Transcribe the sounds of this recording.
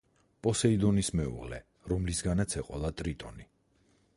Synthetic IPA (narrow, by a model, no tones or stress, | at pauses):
pʼɔsɛid̪ɔnismɛṵʁlɛ̰ | ɾɔmlisɡanat̪sʰɛqʼɔlˠat̪ʼɾit̪ʼɔ̰ni